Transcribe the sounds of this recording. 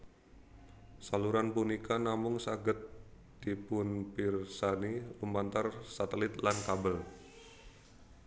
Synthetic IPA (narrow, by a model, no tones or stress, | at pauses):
saluɾanpunikanamʊŋsaɡət̪̚ | d̥ipʊnpɪrsanilumbant̪arsat̪əlɪt̪lankabəl